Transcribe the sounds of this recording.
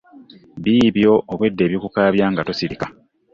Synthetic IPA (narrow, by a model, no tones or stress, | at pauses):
βiːβjo̞ʔːβwe̞dːe̞ːβjokukaːβjaːŋɡato̞siɾikḁ